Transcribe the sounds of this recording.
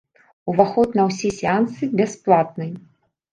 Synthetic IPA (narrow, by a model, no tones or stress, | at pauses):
uvaxɔt̪nɐwsʲisʲɪant̪sɨbʲɛsplˠat̪̚nɨj